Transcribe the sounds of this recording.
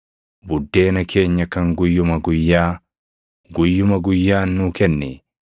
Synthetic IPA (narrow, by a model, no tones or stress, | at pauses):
budːeːnɐkʰeːɲːɐkɐŋɡujːumɐɡujːaː | ɡujːumɐɡujːaːnːukɛnːɛː